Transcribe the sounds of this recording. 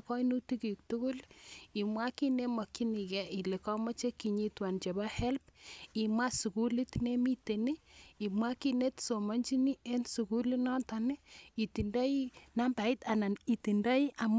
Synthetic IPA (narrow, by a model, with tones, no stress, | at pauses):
kɔ˦i˦nu˦ti˦ki˨u˨k̚tu˦ku˦li˨mwa˦ki˦ne˦mɔ˨kːi˦ni˨kɛ˨i˨le˨kɔ˦ma˦t͡ʃe˦kːi˨ɲi˦twa˨nt͡ʃe˨ba˦hɛ˦lpi˨mwa˦su˨ku˦li˦tne˦mi˦te˨ni˦i˨mwa˦ki˦ne˦tso˨ma˦ɲd͡ʒi˦ni˦e˦nsu˨ku˦li˦nɔ˦ta˨ni˦i˨ti˨nda˦i˦na˦mba˨i˦ta˨na˨ni˨ti˨nda˦i˦ʔa˨m